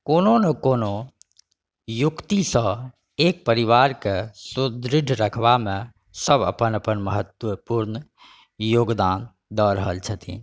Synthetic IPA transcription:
kononəkono | jukt̪isə̃ | ek̚pəɾiʋaɾkesud̪ɾiɖ̪ʱɾəkʰbame | səbə̰pənəpənməɦət̪wəpuɾn | joɡd̪an | d̪ɔɾəɦəlt͡ʃʰət̪ʰḭ

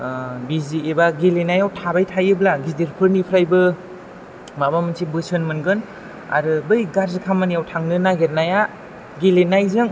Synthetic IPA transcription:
biziebaɡilenajawtʰabajtʰajɯblaɡidiɾpʰɯɾnipʰɾajbɯ | mabamɯnsʰibɯsɯnmɯnɡɯn | a̰ɾɯbɯjɡaɾzɯkʰamanijawtʰaŋnɯnaɡeɾnaja | ɡilenajzɯŋ

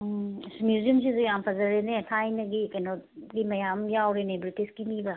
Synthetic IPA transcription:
smjuzijəmsizojaːmpɐzɐɾenetʰajnɐɡikɐnoɡimɐjamjawɾenebɾitiskimiba

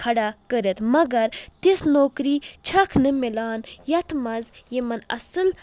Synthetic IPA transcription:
kʰɐɽakəɾət̪mɐɡɐɾt̪isnoːkɾiːt͡ʃʰɐkʰnɨmilaːnjɐt̪ʰmɐzjemɐnɐ̰sɨl

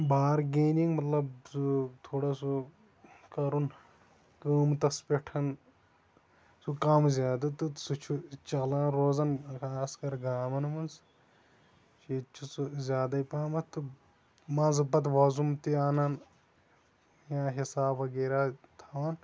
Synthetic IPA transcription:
baːɾɡeːniŋɡmɐt̪lɐbsut̪ʰoːɽasu | kɐɾun | kəːmt̪ɐspeʈʰɐn | sukɐmzʲaːd̪ɨt̪ɨsut͡ʃʰut͡ʃɐlãːnɾoːzɐnkʰaːskɐɾɡaːmɐnmɐns | t͡ʃit͡ʃʰusuzʲjaːd̪ɐipaːmɐt̪ɨ | mãːnzɨbɐt̪ʋɐzumt̪iaːnɐn | jãːɦisaːbɐɡeːɾaːt̪ʰɐʋɐn

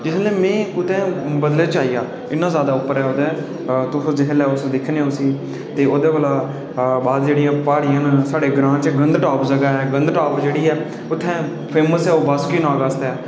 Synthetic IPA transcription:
d͡ʒɪsleːmɛ̃ːkʊt̪ɛ̃ːbəd̪leːt͡ʃaːiːjaː | ɪnːãːzjaːd̪aːʊpːəɾɛːoːd̪ẽː | t̪ʊsõːd͡ʒɪɦlɛːʊsd̪ɪkʰːneãʊsĩː | t̪eːoːd̪eːʋəːlaː | baːd̪d͡ʒeːɽijãːpaːɽiːə̃nsaːɽeːɡɾãːt͡ʃɡənd̪ʈaːpzəɡaːɛːɡənd̪ʈaːpd͡ʒeːɽiːɛː | ʊt̪ʰːɛ̃ː | pʰeːməsɛːoːʋaskiːnaːɡəst̪ɛː

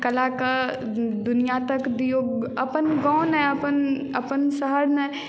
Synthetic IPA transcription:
kəlakə | d̪ʊnijat̪əkd̪ijoɐpənɡãʊ̃naəpənə̰pənsəɦəɽna

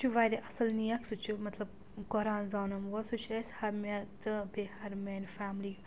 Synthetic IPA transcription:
t͡ʃʰuʋaːjɾeʔɐsɐlnijɐksut͡ʃʰimɐt̪lɐb | kɔɾaːnzaːnɐmʋɐsut͡ʃʰɐshɐmʲɐt̪ɨbehɐɾmeːnfaːmli

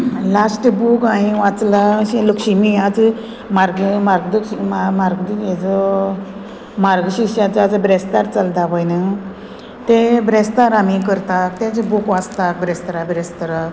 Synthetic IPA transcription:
lasʈbukaɽiʋat͡slaɕeləkɕimijat͡s | maɾɡmaɾɡd̪əkɕimamaɾɡd̪ujɛd͡zɔ | maɾɡɕikɕat͡sad͡zabɾɛst̪aɾt͡salt̪abəjnə | t̪ebɾɛst̪aɾamikəɾt̪ak̚t̪ãt͡sebukʋat͡st̪ak̚bɾest̪ɾabɾest̪əɾak

